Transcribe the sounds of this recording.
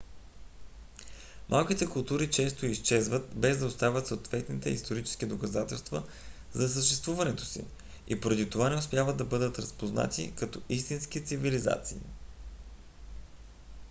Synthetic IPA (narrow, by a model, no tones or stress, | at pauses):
mʔalˠkit̪ɛkʊlˠt̪uɾit͡ʃɛst̪oist͡ʃɛzvət̪bɛzd̪ɐost̪avʲət̪soːt̪vɛt̪nit̪ɛist̪oɾit͡ʃɛ̥skid̪okɐzat̪ɛlˠst̪və | zɐs̬əʃt̪ɛst̪vuvɐnɛt̪o̥sḭ | ḭpoɾɐd̪it̪ovanɛospʲjavəd̪d̪ɐbɤd̪ət̪ɾɐspozna̰t̪ḭkɐt̪ɔist̪inskit̪siviliza̰t̪sḭː